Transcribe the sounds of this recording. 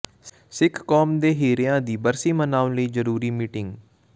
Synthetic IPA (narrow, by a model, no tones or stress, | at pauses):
sɪkʰːɔːmd̪eːɦeːɾɪjãːd̪iːbəɾsiːmənaːʊ̃ləiːzəɾuːɾiːmiːʈɪŋɡ